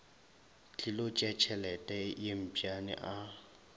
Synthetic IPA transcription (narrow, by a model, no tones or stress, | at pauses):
t͡ɬʼɪlot͡ʃʼɛt͡ʃʰɛlɛtʼɛjem̩pʼjanɪ̰ʔa